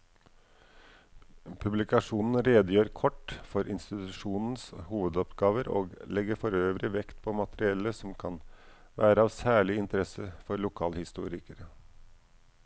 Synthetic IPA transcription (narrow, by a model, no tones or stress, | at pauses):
pʰʉblɪkɑʂuːnn̩ɾeːd̪əjøːɾkʰɔʈːfɔɾʔɪnst̪ɪt̪ʉʂuːnn̩shuːʋəd̪ɔpɡɑːʋəɾo̰ːɡlɛɡəɾfɔɾøːʋɾɪʋɛkt̪pʰɔmɑt̪əɾɪɛlːəsɔmkʰɑn | ʋæːɾəɑːʋsæːɭɪɪnt̪əɾɛsəfɔɾlʊkʰɑːlhɪst̪ṵːɾɪkəɾə